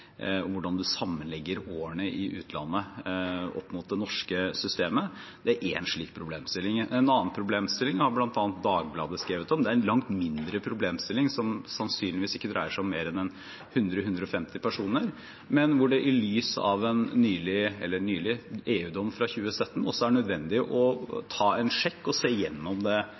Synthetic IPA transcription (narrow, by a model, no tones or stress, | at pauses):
ɔʋʊɖɑnd̪ʉsɑmːənlɛɡːəɾoːəɳəʔɪʔʉ̰ːt̪ʰlɑ̰nːə | ɔ̰pːmʊt̪̚d̪ɛnɔʂkəsʏst̪eːməd̪̥ɛæɾʔɛnʂɭiːk̚pʰɾʊbleːmst̪ɪlːɪŋɛnɑːnpʰɾʊbleːmst̪ɪlːɪŋhɑɾblɑnt̪ɑːnt̪̚d̪ɑːɡ̚blɑ̰ːd̪əskɾeːʋət̪ɔmd̪ɛæɾnlɑŋt̪mɪnd̪ɾəpʰɾʊbleːmst̪ɪlːɪŋsɔmsɑnsyːnlɪʋiːsɪkːəd̪ɾʔæɪəʂæɔmːeːɾɛnɛn | hʉnd̪ɾəhʉnd̪ɾəɔfɛmt̪ɪpʰæʂuːnəɾ | mɛnʋʊɖɛʔɪlyːsɑ̰ʋɛnːyːlɪɛlːənyːlɪeːʉːd̪ɔmːfɾɑçʉːəsœt̪ːən̩ɔsːɔæɾɖɛnœd̪ʋɛnd̪ɪʔɔt̪ʰɑːɛnʂɛkːɔseːjɛnːɔmd̪ɛ